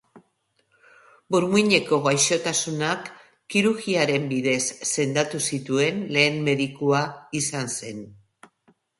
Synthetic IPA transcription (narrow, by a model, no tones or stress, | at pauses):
buɾmiɲe̞ko̞ɣajʃo̞t̪asunakː | iɾuɾɣiaɾe̞mbiðe̞sːe̞nd̪at̪usit̪ue̞nle̞ːmme̞ðikuaisanse̞n